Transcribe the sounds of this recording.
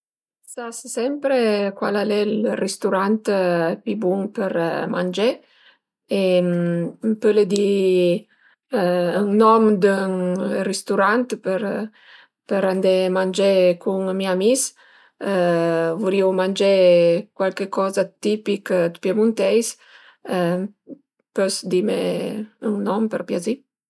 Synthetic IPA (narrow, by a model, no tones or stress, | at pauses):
sassɛmpɾekwa̰lalɛlrest̪uɾant̪pibuŋpəɾmand͡ʒe | empəled̪i | ŋnɔmd̪əŋrest̪uɾant̪pəɾ | pəɾand̪emand͡ʒekʰuŋmiamis | vuɾiwmand͡ʒɛkwalkekɔzat̪ipikd̪əpjamunt̪ɛjs | pøsd̪imḛəŋnɔmpəɾpjazi